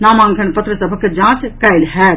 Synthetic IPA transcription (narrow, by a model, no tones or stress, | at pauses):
namãŋkʰənpət̪ɾəsəbʱəkːed͡ʒãːskajlɦɛt̪